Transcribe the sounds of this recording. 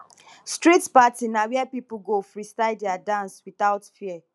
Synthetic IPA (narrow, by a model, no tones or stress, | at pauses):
stɾitpatinawɛɛpipʊɡofɾistaɪdɛadãnswit̪aʊtfiɛ